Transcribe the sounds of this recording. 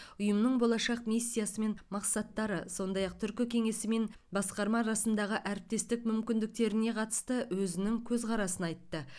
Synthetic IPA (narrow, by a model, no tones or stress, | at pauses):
ʊjəmnəɴbo̞lˠɑʃɑqmijsːijasəme̞nmɑqsɑt̪ːɑɾəso̞nd̪ɑjɑq̚t̪ʰʏɾkʲɪkʲʰe̞ŋe̞sɪme̞n | bɑsqɑɾmɑɾɑsənd̪ɑʁəʔæɾɪp̚t̪e̞st̪ɪk̚mʏmkʲɪnd̪ɪk̚t̪e̞ɾɪne̞qʰɑt̪ə̥st̪əwɵzɪnɪŋkʲʰɵzqɑɾɑsənɑjt̪ːə